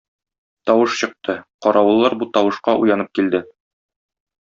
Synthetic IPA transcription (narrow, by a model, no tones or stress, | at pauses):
t̪ɒwɤʃɕɤ̆q̚t̪ɤqɒɾʔɑwɤ̆lˠːɑɾbut̪ɒwɤ̆ʃqɑʔṵjɑnɤp̚kild̪ɘ